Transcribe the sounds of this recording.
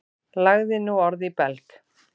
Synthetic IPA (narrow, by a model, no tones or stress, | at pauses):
laɣðɪnuɔɾðipɛlk